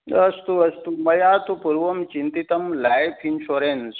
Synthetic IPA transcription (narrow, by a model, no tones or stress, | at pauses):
ɐst̪uɐst̪umɐjat̪upuɾʋɐmt͡ɕint̪it̪əmlajpʰinɕoɾens